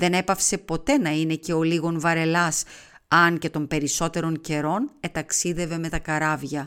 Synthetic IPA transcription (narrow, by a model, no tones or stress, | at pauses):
ðe̞ne̞pɐfse̞po̞t̪e̞nɐine̞ce̞o̞liɣo̞nvɐɾe̞lɐs | ɐŋce̞t̪o̞mpe̞ɾiso̞t̪e̞ɾo̞ɲce̞ɾo̞ne̞t̪ɐksiðe̞ve̞me̞t̪ɐkɐɾɐvʝɐ